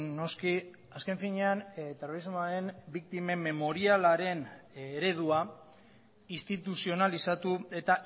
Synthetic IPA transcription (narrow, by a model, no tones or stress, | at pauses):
no̞ski | aske̞ɱfiɲe̞ant̪ero̞ɾizmoaɾe̞nbikt̪ime̞me̞mo̞ɾialaɾe̞neɾe̞ð̞ua | ist̪it̪usio̞nalisat̪ue̞t̪a